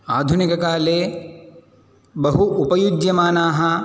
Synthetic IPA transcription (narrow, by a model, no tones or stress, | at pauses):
aːd̪ʱunikɐkaːleː | bɐɦuupɐjud͡ʒjɐmaːnaːɦɐ